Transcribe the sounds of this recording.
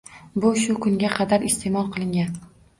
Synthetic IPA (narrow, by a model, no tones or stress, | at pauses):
bʊʃʊkʰʊŋɡʲaqʰɑd̪aɾɪst̪emɒlˠqʰɨlˠɪŋɡʲan